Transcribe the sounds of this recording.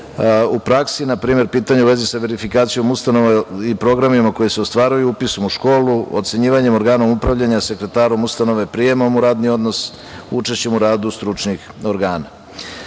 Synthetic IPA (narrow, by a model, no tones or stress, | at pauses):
upɾaksinapɾiːme̞ɾpiːt̪aɲeuʋe̞zisaʋe̞ɾifikaːt̪sijo̞must̪anoʋaipɾo̞ɡɾamimako̞jise̞ost̪ʋaːɾujuupisomuʃko̞ːlˠuot̪se̞ɲiːʋaɲe̞mo̞ɾɡaːno̞mupɾavʎaɲase̞kɾe̞t̪aːɾo̞must̪ano̞ʋepɾije̞momuɾaːd̪nio̞d̪no̞s | ut͡ʃe̞ʃt͡ɕemuɾaːd̪ust̪ɾut͡ʃnix | o̞ɾɡaːna